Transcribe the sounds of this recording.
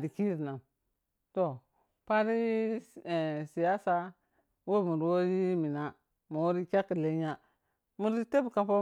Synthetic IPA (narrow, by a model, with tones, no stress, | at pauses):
di˨ki˦ɾi˨na˨m | to˨ | pa˦ɾi˦˨ | si˨ja˦sa˦ | wo˦˨mu˨ɾwo˦ɾi˦mi˨na˨ | mo˨wo˦ɾi˦kʲa˦ki˨le˦ɲa˦ | mu˦ɾi˦te˦bka˦pa˦